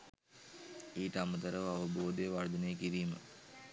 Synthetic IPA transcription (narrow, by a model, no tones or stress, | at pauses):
iːt̪amət̪əɾəʋaʋəboːd̪əjəʋaɾd̪ənejəkiɾiːmə̰